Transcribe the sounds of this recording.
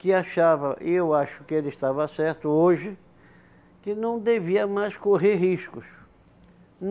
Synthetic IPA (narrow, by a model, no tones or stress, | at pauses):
kɪaʃavɐʔewaʃʊ̥kɪelɪst̪avɐsɛɾt̪ʊoʒɪ | kɪnɐ̃w̃d̪eviɐmajskoɦeɾɦiskʊs | n